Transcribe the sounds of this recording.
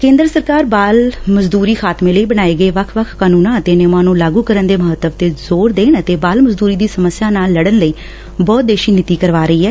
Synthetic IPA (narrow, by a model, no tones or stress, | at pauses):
kẽːnd̪ɾəsəɾkaːɾbaːlməzd̪uːɾiːkʰaːt̪mẽːləiːbənaːeːɡəeːʋəkʰʋəkʰkaːnuːnãːət̪eːnɪmãːnũːlaːɡuːkəɾənd̪eːməɦət̪ːəʋt̪eːzoːɾd̪eːnət̪eːbaːlməzd̪uːɾiːd̪iːsəməsjaːnaːlːəɽənləiː | bɔːt̪̚d̪eːʃiːnɪt̪iːkəɾʋaːɾəiːɦɛː